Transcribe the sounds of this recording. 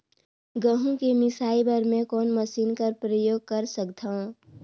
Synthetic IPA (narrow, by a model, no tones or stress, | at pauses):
ɡəɦũkemɪsaːibəɾmẽkɔːnməsiːnkəɾpɾəjoːɡ̚kəɾsəkd̪ʱaõ